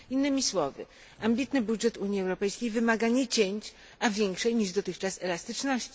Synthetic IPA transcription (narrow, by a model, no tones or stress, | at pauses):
inːɘmʲiswɔvɘ̰ | ambʲit̪nɘbudʐɛt̪uɲiɛwɾɔpɛjskʲejvɘmaɡaɲɛt͡ɕeɲt͡ɕ | avʲjɛŋkʂɛjɲiʐd̪ɔt̪ɘxt͡ʂasɛlast̪ɘt͡ʂnɔɕt͡ɕi